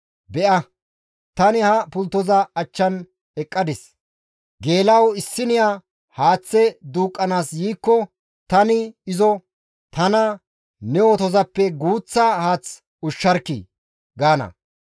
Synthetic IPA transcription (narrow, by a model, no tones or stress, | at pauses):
bɛʔɐ | t̪ɐnɪhɐpʊlt̪ːɔzɐɐt͡ʃːɐn | ɛkʼːɐd̪ɪs | ɡe̞ːlɐwɪsːɪnɪja | haːt͡sːɛd̪uːkʼːɐnaːsjiːkːɔ | t̪ɐnɪɪzɔ | t̪ɐnɐ | nɛwot̪ɔzɐpːɛɡuːt͡sːɐhaːt͡s | ʊʃːɐɾkːḭ | ɡaːnɐ̰